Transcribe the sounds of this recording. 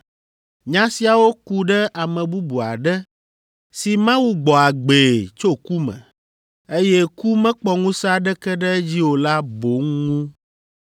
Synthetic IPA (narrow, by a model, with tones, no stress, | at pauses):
ɲã˦si˦a˨wo˦ku˦ɖɛ˦ʔa˨mɛ̃˨bu˦bu˨a˨ɖɛ˦ | si˨mã˦wu˦ɡ͡bɔ˨a˨ɡ͡be˨t͡ʃo˦ku˦mɛ̰̃˨ | e˦jɛ˦ku˦mɛ̃˦k͡pɔ˦ŋũ˦sa˦ɖɛ˦kɛ˦ɖɛ˦d͡ʑi˦wo˨la˦bo˨˦ŋũ˦